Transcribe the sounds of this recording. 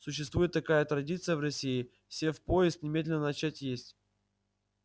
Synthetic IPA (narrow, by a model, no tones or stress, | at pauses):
sʊɕːɪst̪vujɪt̪ːɐkajət̪ɾɐdʲit̪sɨjəvrɐsʲiɪ | fsʲefpojɪst̪nʲɪmʲedʲlʲɪnənɐt͡ɕætʲjesʲtʲ